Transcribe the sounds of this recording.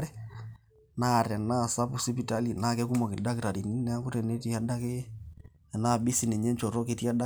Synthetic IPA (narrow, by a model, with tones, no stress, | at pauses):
ɾɛ˦ | na˦˨ɾɛ˨na˦˨sa˦pu˦si˦pi˨ta˦li˨na˦˨kɛ˦ku˦mɔ˨kɪ˨da˦kɪ˨ɾa˨di˨ni˦nɛ˦kʊ˦ɾɛ˨ne˦ti˦a˦da˦ke˦˨ | na˦˨bi˦si˨nɛ˨ɲɛ˦nt͡ʃɔ˨ɾɔ˦ke˨ti˦a˦da˦